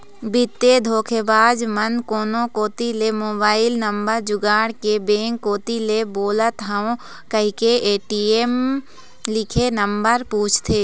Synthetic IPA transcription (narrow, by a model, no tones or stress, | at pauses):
bɪt̪ːed̪ʱoːkʰebaːd͡ʒmənkoːnõkoːt̪ilemoːbaːɪlnəmbəɾd͡ʒʊɡaːɽkebẽːŋkːoːt̪ileboːlət̪ɦəõ | kəɦɪkeʔeːʈieːm | lɪkʰenəmbəɾpuːt͡ʃʰt̪ʰeː